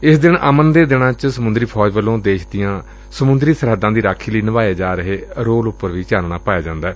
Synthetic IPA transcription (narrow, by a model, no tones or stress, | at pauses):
ɪsd̪ɪnə̰mənd̪eːd̪ɪnãːt͡ʃsəmʊnd̪ɾiːpʰɔːd͡ʒʋəlːõːd̪eːʃʰd̪ɪjãː | səmʊ̃nd̪ɾiːsəɾɦəd̪ːãːd̪iːɾaːkʰːiːləiːnəʋaːiəd͡ʒaːɾəɦeːɾoːlʊpːəɾʋiːt͡ʃaːlɳaːpaːjaːd͡ʒãːnd̪aː